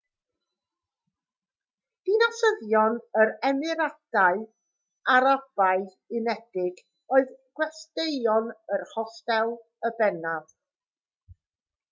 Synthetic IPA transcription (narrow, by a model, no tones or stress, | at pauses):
d̥inasəðjɔnəɾɛmɨɾad̥aɨ | aɾab̥aɨ | ɨnɛd̥ɪɡ | oɨðɡ̥wɛstejɔnərhɔstɛlˠ | əbɛnað̥